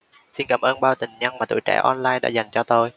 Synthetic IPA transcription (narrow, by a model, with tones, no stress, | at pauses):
si˧nkaː˨˦mʔəː˧nɓaː˧wt̪ï˨˩ŋ̟ɲa˧ŋmaː˨˩t̪ṵ˧˨˦jt͡ɕɛ̰˧˥ʔɔ˧nlaː˧jɗa̰ː˧˥za˨˩jŋ̟t͡ɕɔ˧t̪o˧j